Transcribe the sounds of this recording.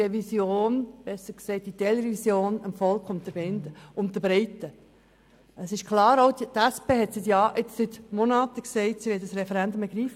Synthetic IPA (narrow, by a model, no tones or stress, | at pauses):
ɛvisjoːnb̥ɛsːəɾksɛɪt̚d̥̪it̪ɛlɾɛvisjoːnəmfɔlˠkʰʊmt̪əɾbɪnd̪əʊmt̪əbɾɛɪt̪ːə | əsɪʃkʰlɑːɾoʊdt̪æspeːɦɛt̪sɪt̪jɑːʔɪt͡ssɪt̪mɔnɑːt̪əksɛɪt̪siʋɛtdəsɾɛfɛɾɛnd̪ʊmɛɡɾiːf